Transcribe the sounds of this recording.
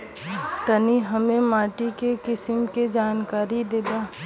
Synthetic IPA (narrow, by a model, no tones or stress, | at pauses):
t̪ɐniɦɐmẽmaːʈikekɪsɪmked͡ʒaːnkaːɾid̪eːd̪aː